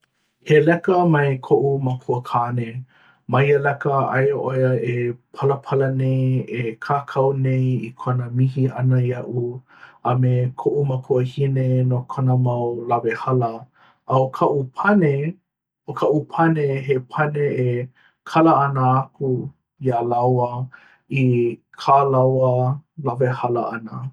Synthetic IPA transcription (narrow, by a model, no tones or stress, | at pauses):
helɛkəmɐekʰoʔumakʰuəkʰaːne | maiəlɛkəʔɐ̰jʔojəepʰɐləpʰɐlənejekʰaːkʰɐwnejikʰonəmihiɐnəjɐʔu | ɐmekʰoʔumakʰuəhinenokʰonəmawlɐvehalɐ | ʔɐokʰɐʔupʰɐne | okʰɐʔupʰɐneɦepʰɐnee | kʰɐlɐɐnəaku | ialawə | ikʰaːlawəlɐvehɐlɐʔɐnə